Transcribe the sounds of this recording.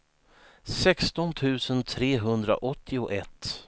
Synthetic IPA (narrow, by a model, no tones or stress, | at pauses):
sɛkst̪ɔnt̪ʰʉ̟ːsənt̪ʰɾeːɦɵnd̪ɾa̰ʔɔt̪ʰːɪʊʔɛt̪ː